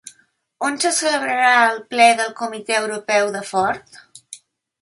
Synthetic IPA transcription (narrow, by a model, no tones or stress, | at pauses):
onsəsələβɾəɾaəlˠplɛðəlˠkumit̪ɛəwɾupɛwðəfɔɾt̪